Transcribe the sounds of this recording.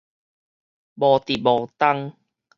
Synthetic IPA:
bɔ˨˩t̪i˨bɔ˨˩t̪a˦ŋ

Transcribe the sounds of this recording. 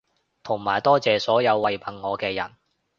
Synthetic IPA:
t̪ʰʊ˨˩ŋmaː˨˩jt̪ɔː˥t͡sɛː˨sɔː˨˥jɐ˨˧wːɐ˨jpʰɐ˨nŋɔː˨˧kɛː˧jɐ̰˨˩n

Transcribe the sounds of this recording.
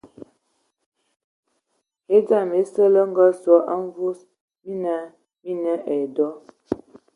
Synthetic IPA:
he˦d͡za˦˨me˨˦sə˦lə˦ŋ˦ɡə˦sɔ˨˦ʔa˦ɱ˦vu˦s | mi˦na˨˦ | mi˦nə˦ʔɛ˨dɔ˦

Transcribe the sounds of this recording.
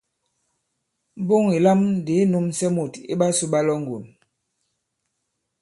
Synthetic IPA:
m˦bo˦ŋi˨la˦m˦de˨˦nu˦msɛ˦mu˨tḭ˦ɓa˦su˦ɓa˦lɔ˦ŋ˨ɡo˨n

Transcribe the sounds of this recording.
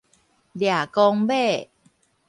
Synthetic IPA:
dja˨˩kɔ˧ŋbe˥˩

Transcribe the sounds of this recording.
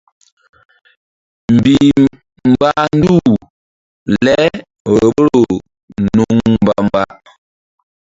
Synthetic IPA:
m̩˨bi˨ | m̩˨ba˦n̩˦du˦˨ | lɛ˦ | ɣə˨bə˦ɾo˨ | nu˦ŋm˨ba˦m˨ba˦

